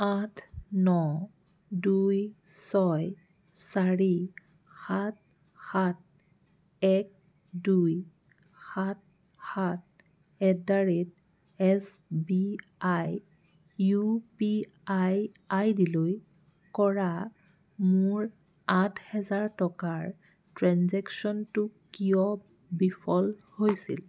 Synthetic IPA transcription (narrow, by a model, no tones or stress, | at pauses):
atʰnɔ | dujsɔj | saɹi | xat̚ | xat̚ | ɛk̚ | duj | xat̚ | xat̚ | ɛdaɹit̚ | ɛs | bi | aj | jupi | aj | ajdiloj | kɔɹa | mʊɹ | atʰhɛzaɹtɔkaɹ | tɹanzɛksɔntʊkijɔ | bipʰɔlhojsil